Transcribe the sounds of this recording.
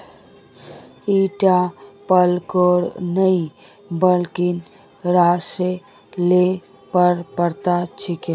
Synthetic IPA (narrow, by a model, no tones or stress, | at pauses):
iʈapəlkoɽnəi | bəlkin | ɾase | le | pəɾpəɾt̪at͡ʃʰike